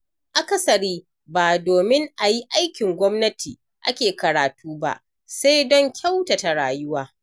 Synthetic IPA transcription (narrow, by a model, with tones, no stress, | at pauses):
ʔa˦ka˨sɐ˨ɽiː˦ | baː˨doː˨mɪ˦ŋʔa˨ji˦ʔa˦jkʲɪ˨ŋɡʷɔ˦mnɐ˦tʰiː˨ | ʔa˦kʲeː˨kɐ˨ɾaː˨tuː˦ba̰˦ʔ | sa˦jdɔ˦ŋkʲʰa˦wta˨ta˨ɽaː˨jʊ˦waː˦